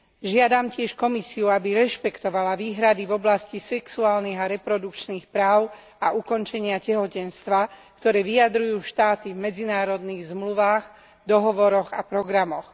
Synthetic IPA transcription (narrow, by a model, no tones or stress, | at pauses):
ʒɪad̪amcɪɛʃkɔmisiuabiɾɛʃpɛkt̪ɔʋalaʋiːɦɾad̪ivɔblascisɛksuaːlniɣaɾɛpɾɔd̪ukt͡ʃniːxpɾaːʊ | aʔukɔnt͡ʃɛɲɪacɛɦɔcɛnst̪ʋakt̪ɔɾɛːʋijad̪ɾujuːʃt̪aːt̪ivmɛd͡zinaːɾɔd̪niːɣzmluʋaːx | d̪ɔɦɔʋɔɾɔɣapɾɔɡɾamɔx